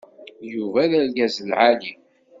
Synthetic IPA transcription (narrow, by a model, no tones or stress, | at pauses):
juvæðælɡæzəlʕali